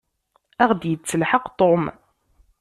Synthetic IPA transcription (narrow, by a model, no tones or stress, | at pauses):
æʁd̪jət͡sːəlħəqt̪ˤom